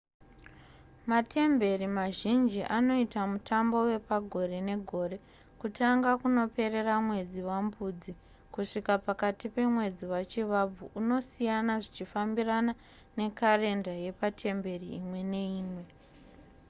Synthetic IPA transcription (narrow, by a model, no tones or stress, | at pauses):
mate̞mbe̞rimaʒind͡ʒiʔano̞itamutʰambo̞we̞paɡʱo̞ɾe̞ne̞ɡʱo̞ːre̞ | kutaŋɡakuno̞pe̞re̞ramwe̞d͡ziwambuːd͡zi | kuʂikapakatipe̞mwe̞d͡ziwat͡ʃiʋab͡vuʔuno̞sijanaʐit͡ʃifambirana | ne̞kare̞ndaje̞patʰe̞mbe̞riimwe̞ne̞iːmwe̞